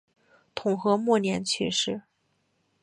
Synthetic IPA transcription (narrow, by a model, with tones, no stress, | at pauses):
t̪ʰʊ˨˩ŋxɤ˧˥mwɔ˥˩njɛ˧˥nt͡ɕʰy̰˥˧ʂɻ̩˥˩